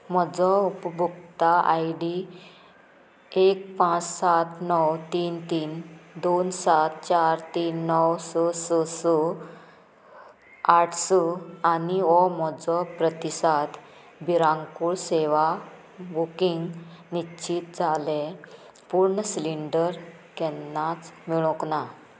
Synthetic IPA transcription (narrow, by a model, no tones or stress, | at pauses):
m̤ɔd͡zɔupəbʱukt̪aʔajɖi | ek̚pãt͡ssat̪ʰnɔwt̪iːnt̪iːnd̪onsat̪̚t͡ɕaɾt̪iːnːɔwsɔsɔsɔ | aʈʰsɔaniɔmɔd͡zɔpɾət̪isat̪ | biɾãŋkuɭseʋa | bukiŋɡnit͡ɕit̪d͡zʱale | puɾɳəsliɳɖəɾ | kɛnːat͡smiɭɔ̃kna